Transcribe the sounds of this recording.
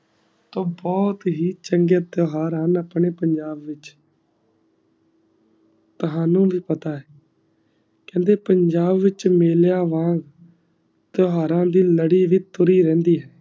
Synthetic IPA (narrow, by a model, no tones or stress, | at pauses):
t̪õːbɔːt̪ɦiːt͡ʃəŋɡeːd̪oɦaːɾaːnəpɳeːpəɲd͡ʒaːbʋɪt͡ʃ | t̪ʊɦãːnũːʋiːpət̪aːɛː | kɛ̃ːnd̪eːpəɲd͡ʒaːbʋɪt͡ʃmeːljaːʋãːɡ | t̪oɦaːɾãːd̪iːləɽiːʋiːt̪ʊɾiːɾɛ̃ːnd̪iːɦɛː